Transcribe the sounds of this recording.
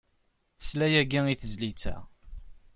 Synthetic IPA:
θə̥slæjæɡiiθəzlit͡sːæ̰

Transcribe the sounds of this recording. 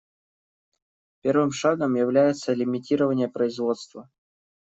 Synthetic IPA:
pʲe̞rvɨmʂaɡəmjɪvlʲæjɪt̪səlʲɪmʲɪtʲiɾəvənʲɪjəpɾəɪzvo̞t̪st̪və

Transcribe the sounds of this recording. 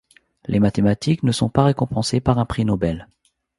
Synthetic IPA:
lʔemat̪emat̪iknəsɔ̃paʁekɔ̃pɑ̃sepaʁɛ̃pχinɔbɛl

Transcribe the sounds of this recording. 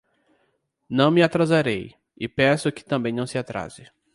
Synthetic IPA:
nɐ̃w̃mɪat̪ɾazaɾej | ɪpẽsʊkɪ̥t̪ɐ̃mbẽj̃nɐ̃w̃sɪat̪ɾa̰zɪ

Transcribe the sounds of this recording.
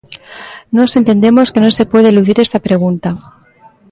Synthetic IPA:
nose̞nt̪e̞nd̪e̞mo̞ske̞no̞se̞pweðeluðiɾe̞st̪apɾe̞ɣ̞unt̪a

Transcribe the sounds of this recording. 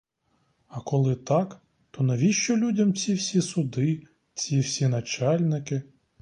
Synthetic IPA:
ɐkɔlˠɪt̪ɑk | t̪ɔnɐʋʲiʃt͡ʃɔlʲudʲɐmt͡sʲiwsʲisʊd̪ɪ | t͡sʲiwsʲinɐt͡ʃɑlʲnɪkɪ

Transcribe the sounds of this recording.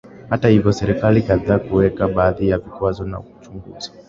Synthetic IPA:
hatahivjɔsɛɾikalikaðaːkuwɛkaɓaːðijavikwazɔna̰kut͡ʃuŋɡṵzi̥

